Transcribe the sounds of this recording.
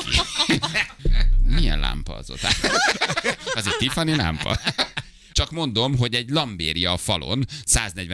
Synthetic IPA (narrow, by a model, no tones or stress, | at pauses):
ḭ | mijɛ̰nla̰ːmpɒ̰ɒ̰zo̰t̪a | ɒzeɾt̪ifɒnila̰ːmpɒ̰ | t͡ʃɒkmo̞nd̪o̞mɦo̞ɟɛɟlɒmbeːɾijɒfɒlo̞̰nsaːznɛɟʋɛ